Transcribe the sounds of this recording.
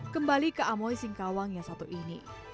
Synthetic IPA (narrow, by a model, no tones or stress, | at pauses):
kəmbalikəamɔjsɪŋkawaŋjasat̪uʔinḭ